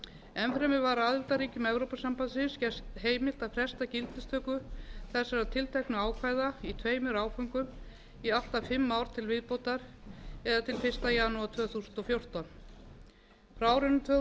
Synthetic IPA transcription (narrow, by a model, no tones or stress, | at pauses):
ɛmfɾɛmɪvaɾaðɪlt̪aɾiːcʏmɛvɾowpasampasɪscɛst̪heːjmɪl̥t̪aðfɾɛst̪acɪlt̪ɪst̪ʰœːkʏθɛsːaɾat̪ʰɪlt̪ʰɛknʏaːwkʰvajðait̪ʰveːjmɪɾaːwfɔŋkʏm | ial̥t̪afɪmːawɾ̥t̪ʰɪlvɪðpowt̪aɾ̥ɛðat̪ʰɪlfɪr̥st̪ajaːnuat̪ʰv̥œːθusʏnt̪ɔfjowr̥t̪ɔn | pɾaːwɾɪnʏt̪ʰœ